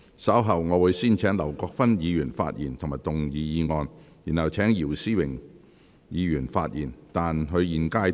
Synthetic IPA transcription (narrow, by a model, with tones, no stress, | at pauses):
sɐ˨˥wɦɐ˨˩wŋɔː˨˧wuː˨˧jsiː˥˩nt͡ʃʰɛː˨˥ŋlɐ˨˩wkɔː˧k̚fɐ˥njiː˨˧jyː˨˩nfa̰ː˧t̚jḭː˨˩nt̪ʰʊ˨˩maː˨˩jt̪ʊ˨ŋjiː˨˧jiː˨˧ŋɔː˨˧n | jiː˨˩nhɐ˨˩wt͡ʃʰɛː˨˥ŋjiː˨˩wsiː˥˩wɪ˨˩ŋ | jiː˨˧jyː˨˩nfaː˧t̚jiː˨˩nt̪aː˨nɦɵ˨˧ɥjiː˨˩nkaː˧˥j